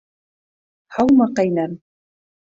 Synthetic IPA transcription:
hɑwmɑqæjnæm

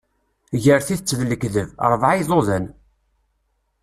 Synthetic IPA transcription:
ʝəɾθiθət͡sːðləkðəvɾˤəvʕaðˤoðən

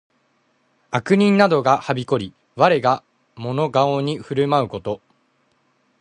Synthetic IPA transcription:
akɯ̟ɲ̟ĩnnad̪o̞ɡahabʲiko̞ɾʲi | βaɾe̞ɡa | mo̞no̞ɡaoɲ̟iɸɯ̟ɾɯ̟maɯ̟ko̞t̪o̞

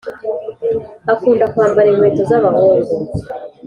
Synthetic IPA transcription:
akuːndakuhaːmbaɾemwe̞ːtozaβahoːzo

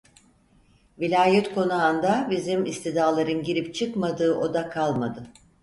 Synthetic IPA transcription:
vilʲaːjɛt̪kʰo̞nuand̪abizimist̪id̪aːlˠaɾɯnɟiɾipt͡ʃʰɯkmad̪ɯːʔo̞d̪akʰalˠmad̪ɯ

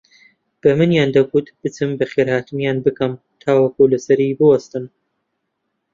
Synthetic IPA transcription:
b̥ɐmɨnjaːnd̪ɐɡut̪b̥ɨt͡sɨmbɐχeːɾhaːt̪ɨnjaːnbɨkɐm | t̪ʰaːwɐkulɐsɐɾiːbɨwɐst̪ɨn

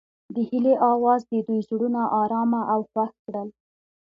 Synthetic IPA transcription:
d̪əhileʔɑwɑzd̪əd̪ujzɽunaʔɑɾɑmaʔawxwaskɽəl

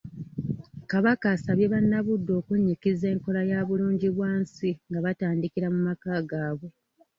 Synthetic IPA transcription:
kaβakaːsaβjeβanːaβudːo̞ːkuɲːikize̞ːŋko̞lajaːβuluːɲɟiβwaːnsiŋɡaβataːndikiɾamumakaːɡaːβwe̞

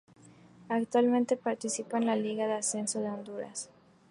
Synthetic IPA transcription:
akt̪walmẽnt̪e̞paɾt̪isipaenlaliɣaðease̞nsoðeo̞nd̪uɾa̰s

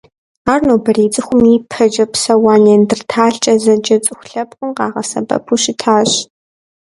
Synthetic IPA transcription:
aːrnoːbɐreːt͡sʼɨxʷʊmiːpʰɐd͡ʒɐpsɐwaːnendɨrtʰaːɬt͡ʃʼɐzɐd͡ʒɐt͡sʼɨxʷɬɐpχʷʊmqɑːʁɐsɐ̰bɐ̰pʰuːʃɪtʰaːɕ

